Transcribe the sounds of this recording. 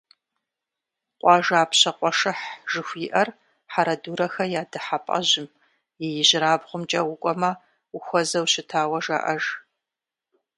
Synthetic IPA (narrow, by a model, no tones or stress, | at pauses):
qʷʼɑːʒaːpʰɕɐqʷʼɔʂɨħʒɨxʷiːʔɐr | ħaɾɐduːɾɐxɐjaːdɨħapʼɐ̰ʑɪm | jɛjɪʑɪɾaːbʁʷʊmt͡ʃʼɐwʊkʷʼɔmɐ | ʊxʷɔzɐwɕɪtʰaːwɐʒa̰ʔɐʒ